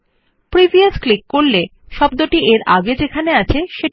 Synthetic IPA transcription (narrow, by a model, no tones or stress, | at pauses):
pɾibʱiasklikːoɾle | ʃɔb̚d̪oʈiʔeɾa̰ɡed͡ʑekʰaneat͡ɕʰeʃe